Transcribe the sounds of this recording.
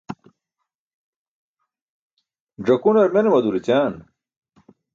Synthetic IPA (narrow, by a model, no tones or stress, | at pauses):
ʐɐkunɐɾmenemɐd̪uɾit͡ɕaːn